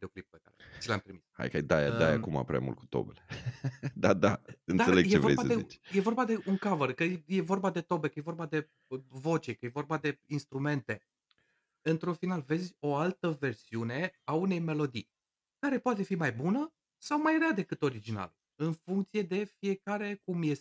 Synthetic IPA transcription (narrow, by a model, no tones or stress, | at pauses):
d̪eoklip̚peka̰ɾḛt͡ʃila̰mt̪ɾimisha̰jka̰d̪aja̰d̪aja̰kuma̰pɾʲḛa̰mṵlt̪̚ku̥t̪o̞̰beled̪ad̪aɨnd̪aseleɡjeevoḛjbaeit͡ʃje̞vo̞rbad̪e̞uŋkavərkəje̞vo̞rbad̪e̞t̪o̞bekəje̞vo̞rbad̪e̞ | vo̞t͡ʃekəje̞vo̞rbad̪e̞inst̪ɾume̞nt̪e̞ | ɨnt̪ɾunfinalve̞zʲo̞alt̪əve̞rsiune̞aune̞jme̞lo̞d̪ḭ | kaɾe̞poat̪̬e̞fimajbunə | sawmajɾead̪e̞kɨt̪o̞ɾid͡ʒina̰l | ɨnfuŋkt̪sije̞d̪e̞fije̞kaɾe̞kumje̞s